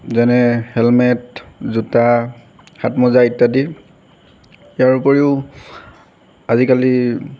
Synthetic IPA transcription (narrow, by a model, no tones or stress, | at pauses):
zɛnɛhɛlmɛtzuta | xatmɔzaitːadi | jaɹupɔɹiʊ | azikali